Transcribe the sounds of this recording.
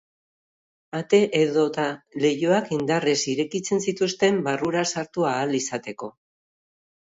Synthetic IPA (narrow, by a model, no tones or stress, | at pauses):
at̪e̞ʔeðo̞t̪ale̞joakind̪aresiɾe̞kit͡se̞nsit̪ust̪e̞mbaruɾasaɾt̪uaːlisat̪e̞ko̞